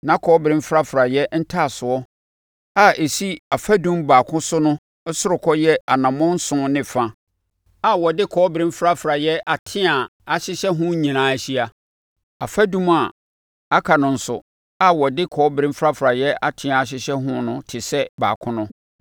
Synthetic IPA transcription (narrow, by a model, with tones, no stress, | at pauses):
nã˨˦kʰɔː˨˦bɾɪ̃˦m̩˦fɾa˦fɾa˨jɛ˦n̩˦tʰa˦˨sʊ˨ɔ˦ | a˦e˨si˦a˨fa˦dũ˦mbaː˨kʰʊ̃˦sʊ˦nʊ̃˦ | sʊ˦ɾʊ˨kʰɔ˦jɛ˦a˨nã˨mɔ̃˦n̩˦sʊ̃˦nɪ̃˦˨fã˦ | a˨wɔ˨dɪ˦kʰɔː˦bɪ˨ɾɪ̃˦m˦fɾa˦fɾa˨jɛ˦ʔa˨tʰɪ̃˦a˨a˨ɕɪ˦ɕɛ˦ɦʊ̃˦ɲĩ˨nãː˨˦æ˨ɕi˦a˨ | a˨fa˦dũ˦ma˨ | a˦kʰa˨nʊ̃˨n̩˨sʊ̰˨ | a˦wɔ˨dɪ˦kʰɔː˨˦bɾɪ̃˦m˦fɾa˦fɾa˨jɛ˦a˨tʰɪ̃˦ã˨a˨ɕ̬ɪ˦ɕɛ˦ɦʊ̃˦nʊ̃˦tʰɪ˨sɛ˦ba̰ː˨kʰʊ̃˦nʊ̃˦